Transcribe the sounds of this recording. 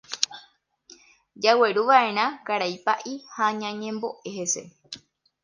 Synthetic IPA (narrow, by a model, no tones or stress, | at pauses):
d͡ʒawe̞ɾuʋaʔe̞ɾ̃ãkaɾajpaʔihaɲãɲẽmbo̞ʔehe̞se̞̰